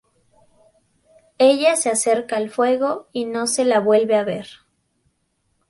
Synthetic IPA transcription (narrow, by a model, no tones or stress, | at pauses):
e̞ʝasease̞ɾkaːlfwe̞ɣo̞ino̞se̞laβwe̞lβeaβe̞ɾ